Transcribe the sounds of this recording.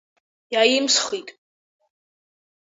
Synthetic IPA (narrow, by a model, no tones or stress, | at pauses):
jajimsχit̪ʼ